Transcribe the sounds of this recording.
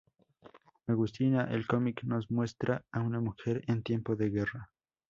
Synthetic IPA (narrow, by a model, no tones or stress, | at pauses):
aɣust̪inaʔelko̞mikno̞zmwe̞st̪ɾaaunamuxe̞ɾent̪je̞mpo̞ðeɣe̞ra